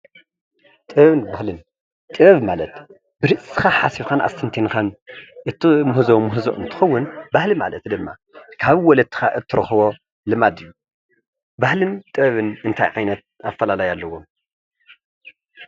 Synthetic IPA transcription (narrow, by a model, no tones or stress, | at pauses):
t̪ʼɨβɐβɨnbahlɨn | t̪ʼɨβɐβmalɐt̪ | b̥ɨɾɨʔsɨ̥xaħasikana̰sɨnt̪ʰenkanʔɨt̪ʰːɨmuhzomuhzoʔɨnt̪ʰɨ̥xɐwːʊnbahlima̰lɐt̪d̪ɨmːa̰ | kʰaβɨwɔlɐt̪ʰːɨ̥xaʔɨt̪ʰːɨɾɐxβo̞ | lɨmad̪ɨjːu | bahlɨnt̪ʼɨβɐβɨnɨnt̪ʰa̰jʕajnɐt̪̚afɐlalajalːɐwo̞m